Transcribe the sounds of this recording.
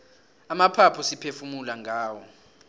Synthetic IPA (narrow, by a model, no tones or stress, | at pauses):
amapʰapʰɔsipʰefumulaŋʱaːwɔ